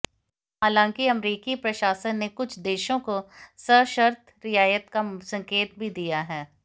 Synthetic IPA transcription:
aːlãːŋkiɐmɾiːkipɾɐʃaːʃənːekʊt͡ʃʰd̪eːʃõkosəʃəɾt̪ʰ | ɾɪjaːjət̪kasɐ̃ŋkeːt̪̚bʱid̪ijaɦɛː

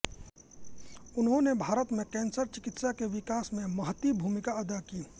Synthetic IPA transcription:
ʊnɦõnebʱaːɾət̪mẽkɛ̃ːnsəɾt͡ʃɪkɪt̪sakeʋɪkaːsmẽmɐɦət̪ibʱuːmɪkaɐd̪akiː

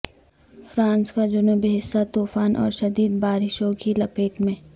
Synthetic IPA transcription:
fɾãːnskad͡ʒʊnuːbiɦɪsːat̪uːfaːnʔɔ̰ːɾʃɐd̪iːd̪baːɾɪʃõkilɐpeːʈmẽː

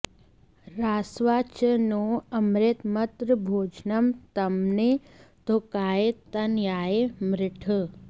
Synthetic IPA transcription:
ɾaːsʋaːt͡ʃənoːɐmɾet̪mɐt̪ɾəbʱoːd͡ʒnəmt̪ɐmne | t̪okaːet̪ɐnjaːemɾɪʈʰə

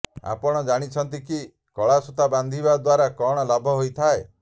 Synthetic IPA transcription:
a̰pɔɽ̃ɔd͡ʒaɽ̃it͡ʃʰɔnt̪̬iki | kɔɭasut̪aband̪ʱibad̪waɾakɔɽ̃ɔlabʱɔɦojt̪ʰae

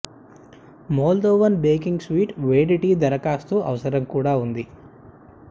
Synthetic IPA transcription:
mɔːld̪oːʋɐnbeːkiŋɡsʋiːʈʋeːɖiʈiːd̪ɐɾɐkaːst̪uʔɐ̰ʋɐsɐɾɐmkuːɽaːund̪i

